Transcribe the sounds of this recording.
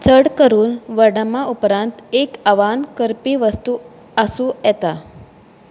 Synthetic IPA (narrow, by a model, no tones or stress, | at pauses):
t͡sʰəɽkəɾuːnʋəɽəmaʔupɾãnt̪ekaʋankəɾpiːʋəst̪u | əsũːjɛt̪a